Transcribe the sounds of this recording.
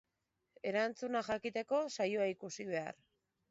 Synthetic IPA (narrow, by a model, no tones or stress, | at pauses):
e̞ɾant͡sunaxakit̪e̞ko̞sajoaikusiβe̞a̰ɾ